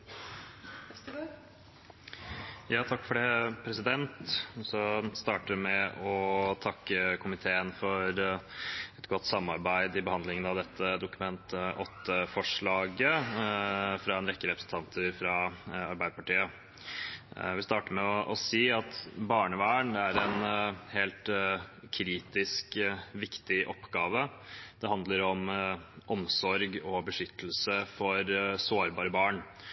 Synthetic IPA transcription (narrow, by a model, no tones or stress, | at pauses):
jɑːt̪ʰɑkːfɔɖeːpʰɾɛsɪd̪ɛnt̪sɔst̪ɑːʈəmɛɔt̪ʰɑkːəkʰʊmɪt̪ʰeːənfɔɾ | ɛt̪ɡɔt̪ːsɑmːɑɾbæɪd̪ɪbəhɑnd̪lɪŋənɑʋd̪ɛt̪ʰːəd̪ʊkʉmɛnt̪ʔɔt̪ːəfɔʂɭɑːɡə | fɾɑɛnɾɛkːəɾɛpɾəsn̩t̪ɑnt̪ʰəɾfɾɑɑɾbæɪd̪əpɑʈiːə | ʋɪst̪ɑːʈəmɛɔʔɔsiːɑt̪bɑːɳəʋæːəɳd̪ɛæɾɛnheːlt̪kʰɾiːt̪ɪskʋɪkt̪ɪʔɔpːɡɑːʋəd̪̥ɛhɑnd̪ləɾɔmʔɔmsɔɾɡɔbəʂʏt̪ʰːəlsəfɔɾsoːɾbɑːɾəbɑːɳ